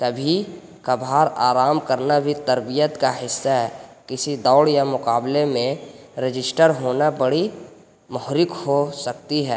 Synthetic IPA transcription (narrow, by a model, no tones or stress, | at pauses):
t̪ɐbʱi | kabʱaːɾaːɾaːmkəɾnabʱit̪əɾbijət̪kaɦɪsːaɦɛkɪsid̪ɔːɽjamʊkaːblemẽ | ɾɪd͡ʒɪsʈəɾɦoːnabəɽi | mɔɦɾɪkhosək̚t̪iɦɛː